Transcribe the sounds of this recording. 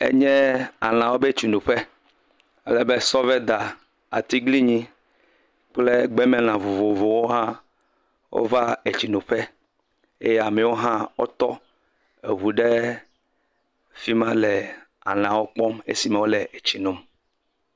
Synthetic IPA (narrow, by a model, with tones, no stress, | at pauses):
ḛ˦ɲɛ̃˦a̰˨l̃ã˨wo˦be˦t͡ʃu˨nũ˨ɸe˦ | e˦lɛ˦be˦sɔ˦vɛ˦d̪a˨ | a̰˨t̪i˦ɡli˦ɲĩ˦ | k͡ple˦ɡ͡bɛ˦mɛ̃˨l̃ã˨vo˨vo˨vo˨wo˦ɦã˦ | wʔo̰˦va˦e˨t͡ɕi˨nũ˨ɸe˦ | e˦jɛ˦a˨mɛ˨wo˦ɦã˦wo̰˦t̪ɔ˦ | e˨ɦu˨ɖe˦ | fi˦mã˦lɛ˨ | a̰˨l̃ã˨wo˦k͡pɔ˦mḛ˦si˨me˨wo˦le˨e˨t͡ɕi˨nũ˦m